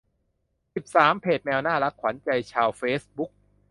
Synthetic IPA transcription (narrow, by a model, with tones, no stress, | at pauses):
si˨˩p̚saː˩˦mpʰeː˨˩t̪̚mɛː˧wnaː˥˩la˦˥k̚ʰwa˩˦nt͡ɕa˧jt͡ɕʰaː˧wfeː˦˥sbu˦˥k̚